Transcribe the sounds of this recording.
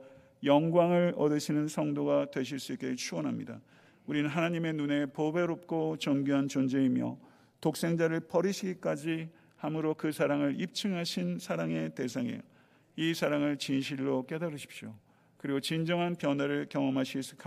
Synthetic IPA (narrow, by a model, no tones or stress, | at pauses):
jʌŋɡwaŋɯɭʌdɯɕʰinɯnsʰʌŋdoɡatwe̞ɕ̬ʰiɭs͈uik͈e̞t͡ɕʰuwʌnɦamɲida̰ | uɾinɯnɦanaɲime̞nune̞pobe̞ɾop̚k͈ot͡ɕʌŋɡuɦant͡ɕond͡ʑeimjʌ̰ | tok̚s͈e̞ŋd͡ʑaɾɯɭpʌɾiɕʰiɡik͈ad͡ʑi | hamɯɾokɯsʰaɾaŋɯɭip̚t͡ɕ͈ʰɯŋɦaɕʰinsʰaɾaŋe̞te̞s̬ʰaŋḛj | isʰaɾaŋɯɭt͡ɕinɕʰiɭːok͈e̞daɾɯɕʰi̥p̚ɕ͈jo | kɯɾiɡot͡ɕind͡ʑʌŋɦanpjʌnaɾɯɭkjʌŋʌmɦaɕʰiɭs͈ɯk